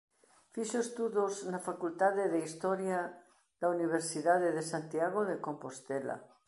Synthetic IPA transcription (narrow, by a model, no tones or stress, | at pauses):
fiʃoest̪uðoznafakult̪aðeðeist̪ɔɾja | ðauniβ̞eɾsiðaðeðesant̪jaɣoðekompost̪ela̰